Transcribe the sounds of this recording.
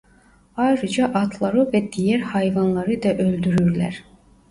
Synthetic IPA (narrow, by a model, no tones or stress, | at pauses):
ɑjɾɯd͡ʒɑʔɑt̪ʰlˠɑɾɯvɛd̪ijɛɾhɑjvɑnlˠɑɾɯd̪ɑʔøld̪yɾyɾlæ̰ɾ